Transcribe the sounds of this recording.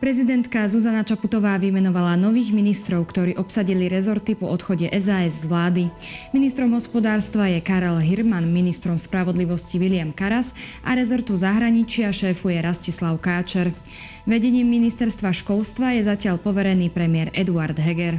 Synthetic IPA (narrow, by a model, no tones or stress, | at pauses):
pɾɛzid̪ɛnt̪kazuzanat͡ʃaput̪ɔʋaːʋimɛnɔʋalanɔʋiːɣminist̪ɾɔʊkt̪ɔɾiːʔɔpsaɟiliɾɛzɔɾt̪ipɔɔt̪xɔɟɛʔɛzaɛzzʋlaːd̪i | minist̪ɾɔmɦɔspɔd̪aːɾst̪ʋajɛkaɾɛlɦiɾmanminist̪ɾɔmspɾaʋɔd̪liʋɔsciʋilɪamkaɾazʔa̰ɾɛzɔɾt̪uzaɦɾaɲit͡ʃɪaʃɛːfujɛɾascislaʊkaːt͡ʃɛɾ | ʋɛɟɛɲiːmːinist̪ɛɾst̪ʋaʃkɔlst̪ʋajɛzacɪaʎpɔʋɛɾɛniːpɾɛmɪɛɾɛd̪uaɾd̪ɦɛɡɛɾ